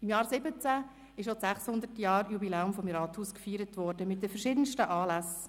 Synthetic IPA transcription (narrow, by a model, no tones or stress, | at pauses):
ɪmjɑːɾsɪbət͡sæ | ɪʃ̬ot͡ssæχshʊnd̪ətjɑːɾjubilɛːʊmfɔmɾɑːthuːskfiːɾətʋɔɾd̥əmɪt̚dəfəɾʃɪdənʃtəʔɑːlæs